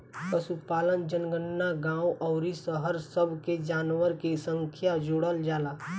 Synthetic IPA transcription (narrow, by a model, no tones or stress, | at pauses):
kəsupaːlənd͡ʒənɡənːaɡãːuʔɔʊɾisəɦəɾsəbʱked͡ʒaːnwəɾkesə̃ŋkʰjad͡ʒoːɽəld͡ʒaːlaː